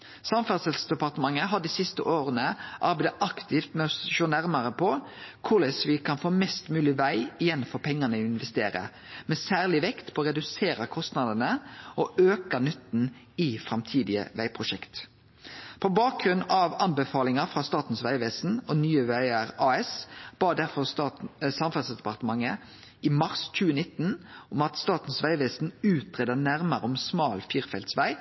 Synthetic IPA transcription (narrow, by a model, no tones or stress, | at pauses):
sɑmfɑt̪sɛlsd̪ɛpɑʁt̪əmɑŋːəɦɑd̪isɪst̪əʔoːɾənəʔɑ̰ɾbæɪd̪əɑkt̪ʰɪft̪mɛɔsʃoːnæʁmɑɾəpʰɔkʰʊlɛsʋɪkʰɑnfoːmɛst̪mʉːlɪʋæɪɪjɛnːfɔɾpʰɛŋːɑnəɪnʋɛst̪eːɾə̰ | mɛsæːʁlɪʋɛkt̪pʰɔːɾɛd̪ʉseːɾəkʰɔst̪nɑd̪ənəɔʔøːkənʏt̪ːn̩ | ɪfʁɑmt̪ʰiːd̪ɪə̰ʋæɪpʰʁʊʃɛkt̪ | pʰɔbɑːk̚ɡɾʉnɑʋɑnbəfɑːlɪŋəfʁɑːst̪ɑːt̪n̩sʋæɪʋɛːsn̩ɔnyːəʋæɪəʁɑːɛsb̥ɑːd̪æʁfɔʁst̪ɑsɑmfɑlsd̪ɛpɑʁt̪əmɑŋːə | imɑʁsc͡çʉːənɪt̪ːnʊmɑt̪st̪ɑːt̪n̩sʋæɪʋeːsn̩ʉːt̪ʁɛd̪ənæʁməɾəɔmsmɑːlfiːʁfɛlt̪sʋæɪ